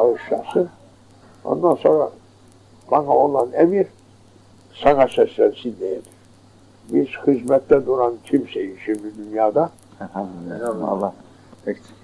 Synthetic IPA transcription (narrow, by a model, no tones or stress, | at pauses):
ɑɯʃlɑsɯ | o̰nd̪ansoɾa | baŋaolˠanɛmiɾ | sɑŋasɛslænsind̪ɛjɛd̪iɾ̥ | biz̥hizmɛt̪ʰːɛd̪uɾank̪ʲʰimsɛjiʃimd̪id̪ynjaːd̪a | a̰lːɑ | ɛk̪